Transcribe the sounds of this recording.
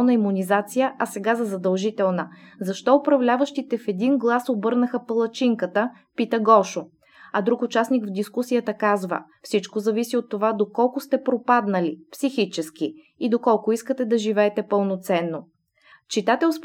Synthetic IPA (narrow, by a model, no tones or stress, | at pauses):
nəimʊnizat̪sijəʔɐsɛɡazɐzɐd̪ɐlˠʒit̪ɛlˠnəzɐʃt̪ɔʊpɾɐvlʲavəʃt̪it̪ɛfɛd̪inɡlˠasobɤɾnəxəpəlˠɐt͡ʃiŋkət̪ə | pit̪əɡɔʃo | ɐd̪ɾukʊt͡ʃasnikvd̪iskusijət̪əkazvə̰ | fsit͡ʃkozɐvisiot̪ːovad̪okɔlˠkʊst̪ɛpɾopad̪nəlipsixit͡ʃɛski | id̪okɔlˠkʊiskət̪ɛd̪ɐʒivɛːt̪ɛpəlˠnot̪sɛnːo | t͡ʃit̪at̪ɛsp